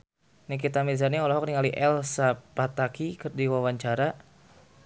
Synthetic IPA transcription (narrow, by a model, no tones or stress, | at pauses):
nikit̪amilis̬anɲɛɔlaɦɔk̚niŋaliʔɛlsapat̪akikɨrdiwawaɲt͡ʃaɾa